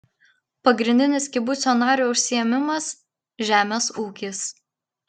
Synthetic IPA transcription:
pɐɡɾʲɪnʲd̪ʲɪnʲɪskʲɪbʊsʲoːnɑːɾʲoʊʃʲsʲɪjɛmʲɪmɐs | ʒʲæːmʲeːsuːkʲɪs

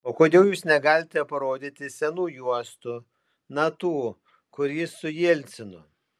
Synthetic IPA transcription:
oːkoːd̪ʲeɛʊjuːsnʲɛɡɑːlʲɪt̪ʲɛpɐɾoːd̪ʲit̪ʲɪsʲɛnuːjuɔst̪ʊ | nɐt̪uː | kʊɾʲiːsʊjilʲt̪sʲɪnʊ

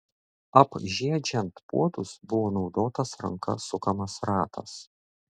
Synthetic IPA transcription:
ɐpʒʲiɛd͡ʒʲɛnt̪pṵɔt̪ʊsbʊʋoːnɒʊd̪oːt̪ɐsɾɐ̰ŋkɐ̰sʊkɐmɐsɾɑːt̪ʰɐ̰s

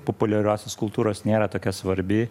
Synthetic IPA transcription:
popʊlʲɛɾʲoːsʲoːskʊlˠt̪uːɾoːsnʲeːɾɐt̪oːkʲɛsʋɐɾʲbʲɪ

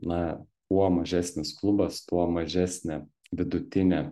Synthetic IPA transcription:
nɐpuɔmɐʒʲæːsʲnʲɪsklˠʊbɐst̪uɔmɐʒʲæːsʲnʲɛ | ʋʲɪd̪ʊt̪ʲɪnʲɛ

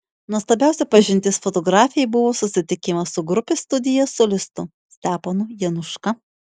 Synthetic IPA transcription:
nuɔslˠɐbʲæˑʊsʲɛpɐʒʲɪnʲt̪ʲɪsfot̪oɡɾɑːfʲɪjɛɪbʊʋoːsʊsʲɪt̪ʲɪkʲɪmɐsʊɡɾʊpʲɪst̪ʊd̪ʲɪjɛsolʲɪst̪ʊ | sʲt̪ʲæːpɐnʊjɛnʊʃkɐ

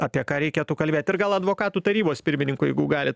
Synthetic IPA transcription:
ɑːpʲiɛkɑːɾʲɛɪkʲeːt̪ukɐlʲbʲeːt̪ɪrɡɐlˠɐd̪ʋoːkɑːt̪uːt̪ɐɾʲiːboːspʲɪɾʲmʲɪnʲɪŋkʊjɛɪɡʊɡɑːlʲɪ

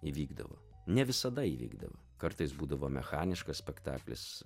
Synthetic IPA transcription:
iːʋʲiːɡd̪ɐ̰ʋo̰ːnʲɛʋʲɪsɐd̪ɐiʋʲḭːɡd̪ɐ̰ʋo̰ | kɐɾt̪ɐɪsbuːd̪ɐʋoːmʲɛ̰xɑːnʲɪʃkɐssʲpʲɛkt̪ɑ̰ːklʲɪ̰s

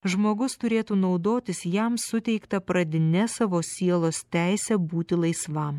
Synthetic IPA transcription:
ʒmoːɡʊst̪ʊɾʲeːt̪uːnɒʊd̪oːt̪ʲɪsjɛmsʊt̪ʲɛɪkt̪ɐpɾɐd̪ʲɪnʲɛsɑʋoːsʲiɛlˠoːst̪ʲæˑɪsʲɛbuːt̪ʲɪlˠɐɪsʋɐm

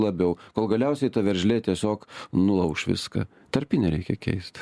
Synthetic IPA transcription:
lˠɐbʲɛʊkoːlˠɡɐlʲɛʊsʲɛɪt̪ɐʋʲɛɾʲʒʲlʲeːt̪ʲiɛsʲoːknʊlˠɐʊkʃʋʲɪ̰skɐ̰ | t̪ɐɾʲpʲɪnʲɛɾʲɛɪkʲɛkʲʰɛ̰ɪst̪

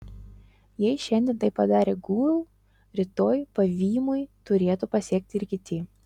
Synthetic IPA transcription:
jɛɪʃʲɛnʲd̪ʲɛnt̪ɐɪppːɐd̪ɑːɾʲeːɡuːlˠ | ɾʲɪt̪oːjpɐʋʲiːmʊjt̪ʊɾʲeːt̪ʊpɐsʲiɛk̚t̪ʲɪɾkʲɪt̪ʲɪ

